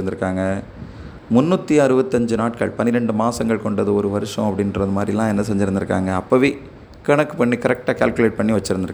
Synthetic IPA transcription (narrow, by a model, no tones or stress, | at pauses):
ɾɯnd̪ɪɾɯkːaːŋɡɐ | mʊnːuːt̪ːiɐɾɯbɐt̪ːɐɲd͡ʒɯnaːʈ̚kɐ̰ɭpɐnɪɾɛɳɖɯmaːsɐŋɡɐɭkɔɳɖɐðɯɔɾɯʋɐɾɯʂɐ̃ɐpːɐɽɪnrɐðɯmaːd̪ɾijlãːɛnːɐsɛɲd͡ʒɪɾɯnd̪ɪɾɯkːa̰ːŋɡɐːpːoʋeː | kɐɳɐkːɯpɐɳːikɐɾɛk̚ʈaːka̰ːlkɯleːʈ̚pɐɳːiʋɐt͡ʃːɪɾɯnd̪ɪɾɯ